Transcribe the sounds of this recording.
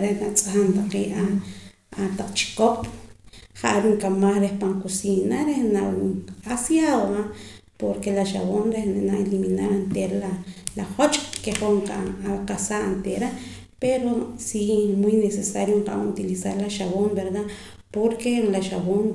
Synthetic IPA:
ɾehnat͡sʼaxant̪aqiːʔa | at̪aq͡χt͡ʃi̥kop | χaʔɾuŋkamaχɾehpaŋkusinaɾehnaasjaðoa | poɾkelaʃaβonɾehnaeliminaɾant̪eɾalalaχot͡ʃʼkeχoɴqaʔaqasaʔnt̪eɾa | peɾosimujnesesaɾjoɴqa̰ut̪ilisaɾlaʃaβombeɾd̪a | poɾkelaʃaβon

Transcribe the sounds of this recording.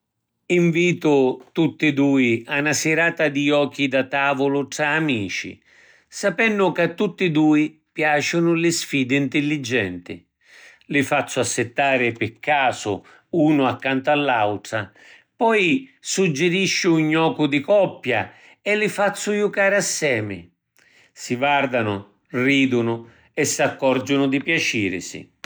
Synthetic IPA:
iɱviːt̪ʊt̪ut̪ːɪd̪uːianasɪɾaːt̪ad̪iɔːk̟ːid̪at̪aːvʊlʊʈɾaːmiːt͡ʃḭ | sapɛnːʊkat̪ːut̪ːɪd̪uːipjaːt͡ʃʊnʊlɪsfiːd̪ɪint̪ɪlːid͡ʒːɛ̰nt̪ɪ̰ | lɪfat̪sːʊasːɪt̪ːaːɾɪpɪkːaːsʊ̰ | uːnʊakːant̪ʊalːawt̪ɾa | pɔjsud͡ʒːɪɾiʃːɪuɲːɔːkʊd̪ɪkɔpːja | ɛlːɪfat̪sːʊjukaːɾɪasːɛːmɪ̰ | sivard̪anʊ | riːd̪ʊnʊ | ɛsːakːɔɾd͡ʒʊnʊd̪ɪpjat͡ʃiːɾɪ̰sɪ̰

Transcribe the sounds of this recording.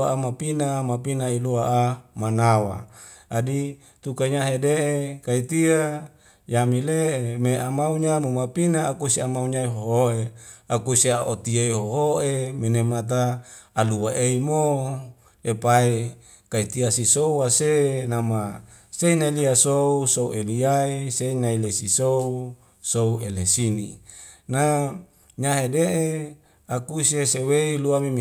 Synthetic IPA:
aʔamapinamapinailuaʔamanawa̰ | adi | t̪ukaɲaɦedeʔekait̪ia | jamileemeamauɲamomapinaːkusiamauɲaiɦoɦoʔeakusiaʔot̪ieiɦoɦoʔeminemat̪̬aːluwaʔeimo | epae | kait̪iasisouwasenama | seinailiasousouʔeliaiseinailesisou | souelesinina | ɲaɦedeʔe | akusieseweiluamim

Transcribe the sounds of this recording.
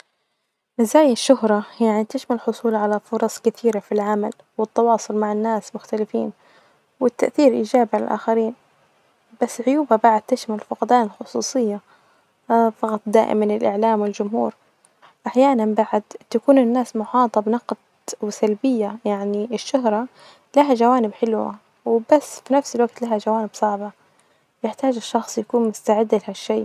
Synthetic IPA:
ʔɪzaːjɪʃːʊhɾˤɑjaʕnit̪ɪʃmalħʊsˤuːlʕalafʊɾˤɑsˤkɪθiːɾafilʕamal | wɪt̪ːɑwɑːsˤʊlmaʕɪnːaːsmʊxt̪alɪfḭːn | wɪt̪ːaʔθiːɾʔiːd͡ʒaːbiʕala̰lʔa̰ːxaɾiːn | b̥asːʕʊjuːbabaʕʊd̪̚t̪ɪʃmalfʊqd̪aːnɪlxʊsˤuːsˤɨjːa | fɑqɑt̪ˤd̪a̰ːʔɪ̰mɪnɪlʔɪʕlaːmwɪld͡ʒʊmhṵːɾ | ʔaħjaːnambaʕad̪t̪akuːnɪnːaːsmʊħɑːt̪ˤɑbnɑqd̪̚ | wɪsalbɪjːajaʕniɪʃːʊɦɾˤɑ | laɦaʒawaːnɪbħɪlwa̰ | wɪbasːfinafsɪlwaɡt̪laɦaʒawaːnɪbsˤɑʕbɑ | jɪħt̪aːd͡ʒɪʃːɑxsˤjakuːnmʊst̪aʕɪd̪ːlɪhaʃːeː

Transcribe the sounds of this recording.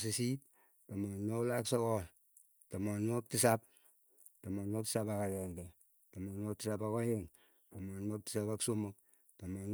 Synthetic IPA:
s̬isit̚ | tamonoklaksokɔl | tomonok̚tisap̚ | tomonok̚ti̥sapakaɾɛndɛ | tomonok̚tisapakojeŋ | tomonok̚ti̥sapaksomuk̚ | tomon

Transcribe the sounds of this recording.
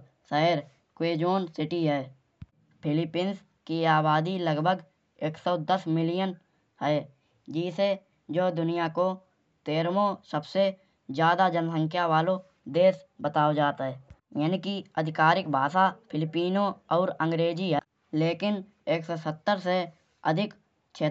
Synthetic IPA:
səɦɪɾ | kweːd͡ʒoːnsɪʈiɦɛː | pʰɪlɪpiːns | kiaːbaːd̪iləɡbʱəɡ | eːksɔd̪əsmɪlijən | ɦɛː | d͡ʒɪːse | d͡ʒoːd̪ʊnijako | t̪eːɾmosəbse | zjaːd̪ad͡ʒənsə̃ŋkʰjaʋaːlo | d̪eːsbət̪aːod͡ʒaːt̪ɦɛːjaːnikiəd̪ʱɪkaːɾɪkbʱaːsapʰɪlɪpiːnoɔːɾə̃ŋɡɾeːd͡ʒiɦɛ | leːkɪn | eːksɔsət̪ːəɾse | ə̰d̪ʱɪk | t͡ʃʰeː

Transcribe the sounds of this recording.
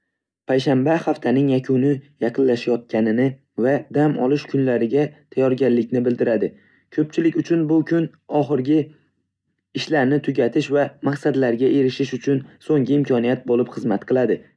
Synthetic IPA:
pʰajʃambahaft̪ʰanɪŋjakʲʰʊnɪjɑqʰɨnlaʃajɒt̪̚kʲʰanɪnɪ | vad̪amɒ̰lˠɪʃkʰʊnlaɾɪɡʲat̪ʰajɒɾɡʲanlɪkʲnɪbɪld̪ɪɾad̪ɪ | kʰɵp̚t͡ʃʰɪlɪkʲʊt͡ʃʰʊnbʊkʲʰʊn | ɒχɨɾɡʲɪ | ɪʃlaɾnɪt̪ʰʊɡʲat̪ʰɪʃvamaqsad̪laɾɡʲaʔe̞ɾɪʃɪʃʊt͡ʃʰʊnsoŋɡɪɪmkʲʰɒnijat̪̚bolɪpχɨzmat̪qʰɨlˠad̪ɪ

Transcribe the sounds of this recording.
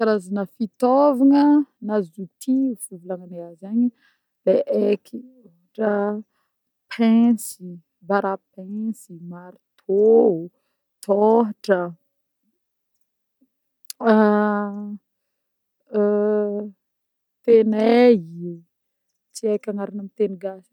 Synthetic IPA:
kaɾazanəfit̪ovaŋənazut̪ʰiufuvulaŋaneazaɲi | leʔekʰi | oɦaʈ͡ʂə | pʰɛ̃si | baɾap̚ɛ̃simaɾit̪ʰo | t̪ʰoɦaʈ͡ʂə | t̪eneɦi | t͡siakʲaŋaɾanamit̪eniɡasi̥

